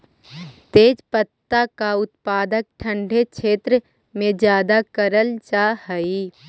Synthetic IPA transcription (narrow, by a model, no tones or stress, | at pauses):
t̪eːd͡ʒpət̪ːakaʊt̪̚paːd̪ək̚ʈʰə̃ɳɖʱekʃʰeːt̪ɾə | mẽd͡ʒjaːd̪akəɾəlt͡ʃaːhəi